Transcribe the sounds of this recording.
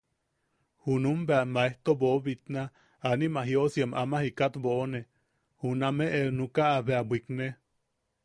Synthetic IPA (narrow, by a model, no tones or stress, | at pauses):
hunumbeamaeht̪oboβit̪na | animaɦiosiemamahikat̪boʔːne | hunameʔenukaʔːβeabʷikne